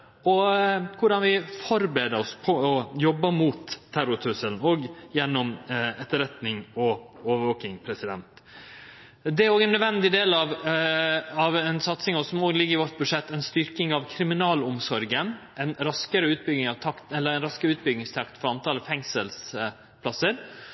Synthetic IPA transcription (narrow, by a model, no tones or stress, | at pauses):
ɔkʰʊɖɑnʋɪfɔɾbeːd̪əɾɔspʰɔɔjɔbːəmuːt̪ʰːæɾʊt̪ʰʉsəlnoːɡjɛnːɔmɛt̪ːəɾɛt̪nɪŋɔoːʋəɾʋoːkɪŋpʰɾɛsɪd̪ɛ̰nt̪ | d̪ɛæɾoːɡɛnːœd̪ʋɛnd̪ɪd̪eːlɑʋ | ɑʋɛnsɑt̪sɪŋɔsɔmoːɡlɪɡːəɾɪʋɔʈ̪̚bʉʂɛt̪ːɛnst̪ʏɾkɪŋɑʋkʰɾɪmɪnɑːlʊmsɔɾɡənʔɛnɾɑskəɾəʉːt̪̚bʏɡɪŋɑʋt̪ʰɑkt̪ɛlːəɾɛnɾɑskəɾəʉːt̪̚bʏɡnɪŋst̪ʰɑkt̪fɔɾɑnt̪ʰɑːləfɛŋsəls | pʰlɑsːəɾ